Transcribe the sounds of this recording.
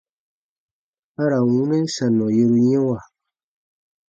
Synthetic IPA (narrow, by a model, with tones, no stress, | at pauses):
a˦ɾa˨wu˦ne˦n˦sa˨nːɔ˨je˦ɾu˦ɲɛ̃˦wa˨